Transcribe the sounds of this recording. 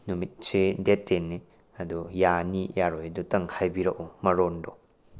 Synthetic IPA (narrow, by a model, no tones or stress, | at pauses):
numit̚sʰidetenːi | ɐdujanijaɾɔjdutɐŋhajbiɾɐʔumɐɾɔndɔ